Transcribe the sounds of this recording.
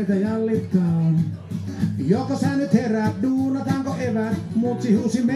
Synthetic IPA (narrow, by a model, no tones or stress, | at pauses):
it̪æjɑlːit̪ːɑn | jokɑsɑnyt̪heræːt̪̚duːnɑt̪ɑŋkoʔeʋæmut̪sihusime